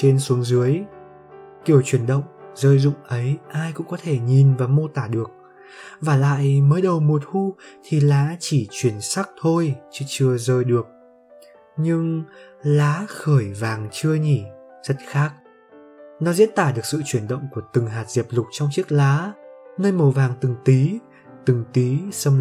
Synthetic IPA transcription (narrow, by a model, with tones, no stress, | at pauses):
t͡ɕe˧nsu˨˦əŋzɨ˨˦əj | ki˧˩əwt͡ɕwi˧˩ənɗə̰˧˨wŋ͡mzəː˧jzʊ̰˧˨ŋ͡mʔə˨˦jʔaː˧jkʊ̰˧˥ŋ͡mkɔ˨˦t̪ʰe˧˩ɲi˨˩nvaː˨˩mo˧t̪aː˧˩ɗɨ˨˩ək̚ | vaː˨˩la̰ː˧˨jməː˨˦jɗə˨˩wmo˨˩t̚hu˧t̪ʰi˨˩laː˨˦t͡ɕi˧˩t͡ɕwi˧˩ənsa˦˥k̚t̪ʰo˧jt͡ɕɨ˧t͡ɕɨ˧əzəː˧jɗɨ˨˩ək̚ | ɲɨ˧ŋlaː˨˦xəː˧˩jvaː˨˩ŋt͡ɕɨ˧əɲi˧˩z̥ə˦˥t̚xaː˦˥k̚ | nɔ˨˦zḭ˧˥nt̪aː˧˩ɗɨ˨˩ək̚sɨ̰˧˨t͡ɕwi˧˩ənɗə̰˧˨wŋ͡mku˧˩ət̪ɨ˨˩ŋɦaː˨˩t̚z̥e˨˩p̚lʊ˨˩k͡p̚t͡ɕɔ˧wŋ͡mt͡ɕi˦˥ək̚laː˨˦nəː˧jmo˨˩vaː˨˩ŋt̪ɨ˨˩ŋt̪i˨˦ | t̪ɨ˨˩ŋt̪i˨˦sə˧m